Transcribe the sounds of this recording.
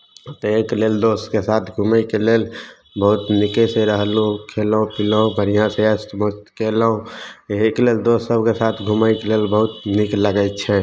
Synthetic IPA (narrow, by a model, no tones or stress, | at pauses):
t̪ekleld̪oskesat̪ʰɡʱuməikelel | bəɦut̪nikeseɾəɦlukʰeləũpiləõbʱəɾijãsesʈmost̪keləõekleld̪osəbʱkesat̪ʰɡʱuməikelelbəɦut̪nikləɡəj̪t͡ʃʰɛ